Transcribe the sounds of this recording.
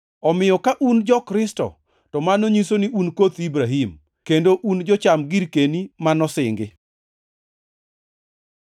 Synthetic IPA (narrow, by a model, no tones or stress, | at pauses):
ɔmɪjɔkaʔund͡ʒɔkɾɪstɔ̰ | tɔmanoɲisoniʔunkot̪ibɾaɦim | kendoʔund͡ʒɔt͡ʃamɡiɾkenimanɔsɪŋɡɪ